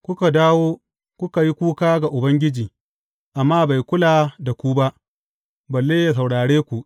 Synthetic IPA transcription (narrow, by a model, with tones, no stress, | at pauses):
kʷʊ˦ka˨daː˦woː˦ | kʷʊ˦ka˨ji˦kʷuː˦kaː˦ɡa˨ʔʊ˨bɐ˦ŋɡʲɪ˦d͡ʒiː˨ | ʔa˨mːaː˦ba˨jkʷʊ˦laː˨da˨kʷu˦ba˦ʔ | bɐ˨lːeː˦ja˨s̬a˨wɽaː˨ɽeː˦kʷu˨ʔ